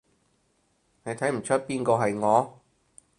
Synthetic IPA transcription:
ne˨˧jt̪ʰɐ˨˥jm̩˨˩t͡ʃʰɵ˥t̚piː˥nkɔː˧ɦɐ˨jŋɔː˨˧

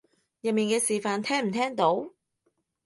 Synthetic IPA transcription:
jɐ˨miː˨nkɛː˧siː˨faː˨nt̪ʰɛː˥ŋm̩˨˩t̪ʰɛː˥ŋt̪o˨˥w

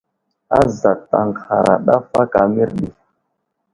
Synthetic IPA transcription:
a˦za˨ta˨ŋxa˨ɾa̰˨ɗa˦fa˦ka˨mi˦ɾɗi˨

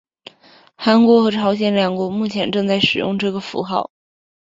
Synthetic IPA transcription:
xa˧˥nkwɔ˧˥xɤ˧˥ʈ͡ʂʰɑ˧˥ʊɕ̬jɛ˨˧˥nljɑ˨˩ŋkwɔ˧˥mu˥˩t͡ɕʰjɛ˧˥nʈ͡ʂɤ˥˧ŋt͡sa˥˩ɪʂɻ̩˨˩jʊ̰˥˧ŋʈ͡ʂɤ˥˩ɡə˩fṵ˧˥xɑ˥˩ʊ

